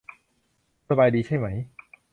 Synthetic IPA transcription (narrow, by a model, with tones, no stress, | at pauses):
sa˧baː˧jdiː˧t͡ɕʰa˥˩jma˦˥j